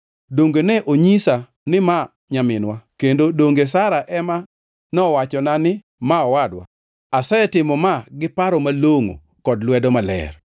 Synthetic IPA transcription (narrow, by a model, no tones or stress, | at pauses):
doŋɡenɛʔoɲisa | nɪma | ɲamɪnwakendodoŋɡesaɾaʔɛma | nɔwat͡ʃɔnanɪ | maɔwadwa̰ | asɛtɪmɔmaɡɪpaɾɔmaloŋo̰ | kɔdlwɛdɔmalɛ̰r